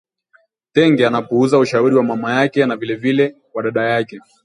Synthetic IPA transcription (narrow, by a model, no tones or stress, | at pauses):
tɛŋɡɛanapuuzauʃauɾiwamamajakɛnavilɛvilɛ | waɗaɗajakɛ